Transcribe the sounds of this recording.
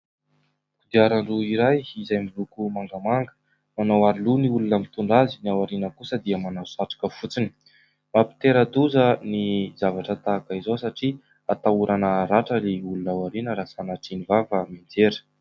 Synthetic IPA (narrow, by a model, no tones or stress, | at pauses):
kud̪iaɾaɳɖ͡ʐuiɾajizajmilukumaŋɡamaŋɡə̥ | manawaɾiluniulunəmit̪uɳɖ͡ʐaziniawaɾinəkusəd̪iəmanawsaʈ͡ʂḁkəfut͡sini̥ | mapi̥t̪eɾəd̪uzənizavaʈ͡ʂət̪aːkəizosaʈ͡ʂi | at̪auɾʔanəɾaʈ͡ʂəleulunawaɾinəɾasanaʈ͡ʂinivavəmind͡zeɾə̥